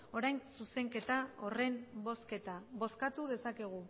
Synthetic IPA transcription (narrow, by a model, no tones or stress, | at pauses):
o̞ɾajnsuse̞ŋke̞t̪ao̞re̞mbo̞ske̞t̪aβo̞skat̪uðe̞sake̞ɣ̞u